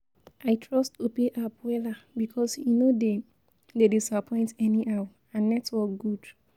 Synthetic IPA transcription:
ʔaɪtʰɹɔstopeʔapwɛlabikʰɔsjunode | dedisapʰɔ̃ɪ̃ntɛniʔaw | ãnːɛtwɔɡud

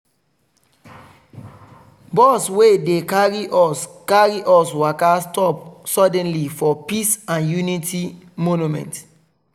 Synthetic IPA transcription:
bɔswedekaɹikaɹiʔɔswakastɔpsɔdɛ̃nlifɔpisãnjunitimonumɛ̰̃nt

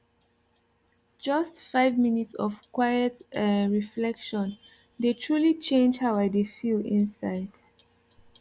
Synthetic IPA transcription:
d͡ʒʌstfaɪvminitsɔ̰v̥kʰwajətɹiflɛkʃɔ̃n | detʰɹulit͡ʃẽnd͡ʒhabajdefiĩnsaɪd̥

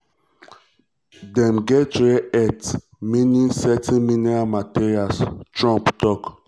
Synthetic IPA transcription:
dɛ̃mɡɛtɹɛɛt | minisɛtĩnminɛɹalmatiɹialstɹɔ̃mptɔk

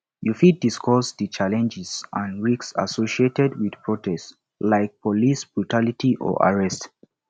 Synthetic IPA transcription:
jufid̚diskʰɔsðət͡ʃalɛ̃nd͡ʒɛz̥ʔãnɹiksa̰soʃietɛdwið̥pʰɹɔtʰɛst | laɪk̚pʰɔlisb̥ɹutʰalitʰiʔɔ̰ʔa̰ɹɛst

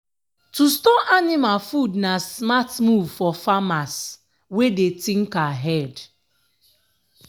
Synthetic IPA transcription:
tustɔʔanɪmalfudnasmatmuvfɔfamas | wedetiŋ̩kaɦɛd

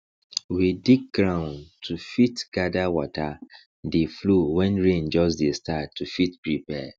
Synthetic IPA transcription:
widik̚ɡɹãʊ̃ntʰufitɡ̥adawɔta | deflowɛ̃nɹẽnd͡ʒɔsdestatʰːufitpɹipɛ

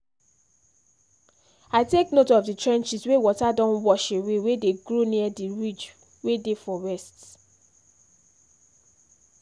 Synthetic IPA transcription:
aɪteknotɔvditɹɛ̃nt͡ʃiswewɔtadɔ̃nwɔʃewewedeɡɹoniadiɹid͡ʒ | wedefɔɹɛst

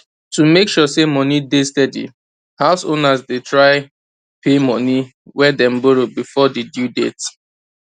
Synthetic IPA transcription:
tumekʃɔsemɔ̃nidestɛdḭ | haʊsonasdetɹaɪ | pʰemɔ̃ni | wɛdɛ̃mboɹobifɔdedjudḛt

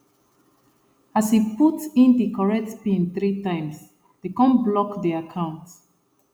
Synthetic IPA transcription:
ashiputĩndikʰɔɹɛtspĩnθɹitãɪ̃ms | ð̥ekɔ̃nblɔkðiakʰãʊ̃nt

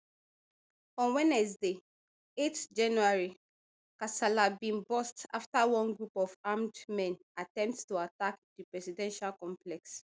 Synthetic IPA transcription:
ɔ̃nwɛnɛs̬de | etd͡ʒãnuaɹi | kasalabĩnbɔsta̰ftawɔ̃nɡɹupɔvamdmɛ̃n | atɛ̃mpttuatakdipɹɛsidɛ̃nʃalkɔ̃mplɛks

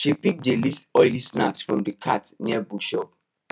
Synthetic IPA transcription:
ʃipik̚d͡ʒelistɔɪlisna̰ksfɹɔ̰̃mdəkʰa̰tniɛbukʃɔp

